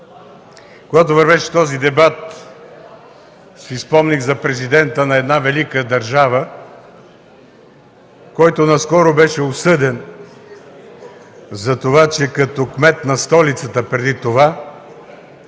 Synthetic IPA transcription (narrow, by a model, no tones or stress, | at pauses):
koɡat̪̬ovɐɾvɛʃɛ̥t̪ɔzid̪ɛbat̪ | sɛispɔmniɣzɐpɾɛzid̪ɛnt̪ənɐɛd̪navɛlikəd̪ɐɾʒavə | kɔjt̪onɐskɔɾobɛʃɛosɤd̪ɛn | zɐt̪ovat͡ʃɛkɐt̪ɔkmɛt̪nɐst̪ɔlit̪sət̪əpɾɛd̪it̪ova